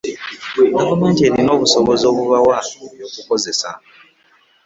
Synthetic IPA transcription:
ɡavume̞ːntie̞ɾino̞ːβuso̞βo̞zo̞ːβuβawaβjo̞ːkuko̞ze̞sa̰

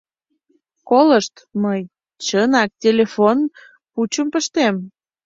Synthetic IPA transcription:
koləʃt̪məj | t͡ɕənɑk̚tʲelʲefon | put͡ɕəmpəʃt̪em

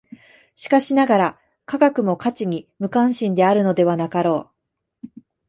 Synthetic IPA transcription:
ɕi̥kaɕinaɡaɾa | kaɡakɯ̟mo̞kat͡ɕiɲ̟imɯ̟kãɕĩnd̪e̞aɾɯ̟no̞d̪e̞β̞anakaɾo̞ː

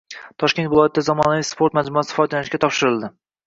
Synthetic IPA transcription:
t̪ʰɒʃkʲe̞nt̪vɪlˠɒjat̪̚ʰɪd̪azɒmɒnavijspʰoɾt̪mad͡ʒmʊasɪ̥fɒjt̪lanɪʃkʲat̪ʰɒpʃɪɾɪlˠd̪ɪ

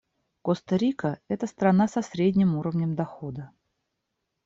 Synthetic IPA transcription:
kost̪ɐɾʲikəɛt̪əst̪ɾɐnasɐsɾʲedʲnʲɪmuɾəvnʲəmd̪ɐxod̪ə

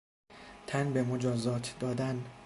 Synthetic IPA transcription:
t̪ʰænbe̞mod͡ʒɒːzɒːt̪ʰd̪ɒːd̪æn

